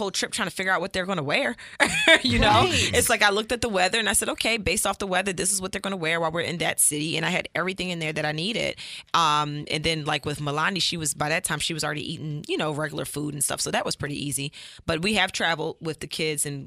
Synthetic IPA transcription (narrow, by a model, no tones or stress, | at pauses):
oʊlˠtʰɹ̥ɪp̚tʰɹ̥aɪ̃ŋtʰɨfɪɡjə˞aʊt̚wʌt̪̚ðə˞ɡõnəwɛɹ | jɨnoʊɨtslaɪkaɪlʊk̚tɨt̪̚ðəwɛðə˞ɨ̃naɪsɛɾoʊkʰeɪbeɪstɔfðəwɛðə˞ðɪsəzwʌt̪̚ðə˞ɡʌ̃nəwɛɹwaɪlˠwɪɹɨ̰̃nðɨ̰tsɪɾiɨ̰̃ñaɪɨɾɛvɹiθɪ̃ŋɨ̃nðə˞ðɨɾaɪniɾɪ̰d̥̚ʔʌ̃mɨ̰̃nðɨ̃nlaɪkwɨðməlɑniʃiwʌzbaɪðɨtʰãɪ̃mʃiwʌzl̩ˠɹɛɾḭʔiɾɪ̃ŋjɨnoʊɹɛɡjl̩ˠə̰˞fuɾn̩stʌ̰fsoʊðɨʔ̚wʌz̥pʰɹ̥ɪɾḭʔizi | b̥ʌt̚wiɨv̥tʰɹ̥ævl̩ˠdwɪðɨkʰɪdz̥ɨ̃n